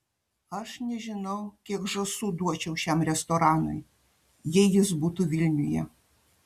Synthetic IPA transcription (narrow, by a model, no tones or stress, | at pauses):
aʂnʲɛʒʲinɔwkʲiɡʐɔsud̪uɔt͡ʃɛwɕʲamrʲɛst̪ɔɾanʊ̰j | jɛjizbut̪uvʲilʲnʲujɛ̰